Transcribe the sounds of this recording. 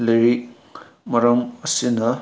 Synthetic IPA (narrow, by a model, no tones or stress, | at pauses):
leɾik | mɐɾɐmɐsinɐ